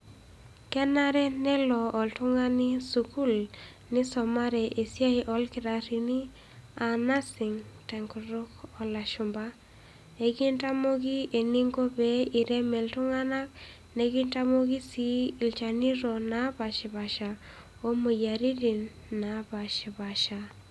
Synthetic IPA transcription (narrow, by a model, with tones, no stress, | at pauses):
kɛ˦na˦ɾɛ˦nɛ˦lɔː˨ltʊ˦ŋa˦nɪ˦su˨ku˦l | nɪ˦sɔ˨ma˦ɾɛ˨ʔe˨sja˦i˦ʔɔ˦lkɪ˨˦ɾa˨ɾi˨ni˦ | a˨na˦sɪ˨ŋtɛ˨ŋku˨ɾo˦kɔ˨la˨ʃʊ˨mba˦ | e˨ɡɪ˦nta˦mo˦ɡi˦e˨ni˦ŋɡo˦be˦i˨ɾɛ˦mɛ˨ltʊ˦ŋa˦na˦k | ne˦ɡɪ˦nta˦mo˦ɡi˦si˦i˨lt͡ʃa˨ni˦ɾɔna˨˦ba˨ʃɛ˨ba˨ʃa˨ | o˦mo˨ja˨ɾi˦di˨nː | a˨ba˨ʃɛ˨ba˨ʃa˨